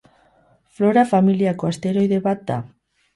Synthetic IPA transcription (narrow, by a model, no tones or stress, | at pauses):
floɾafamiljakoast̪eɾojðeβat̪a̰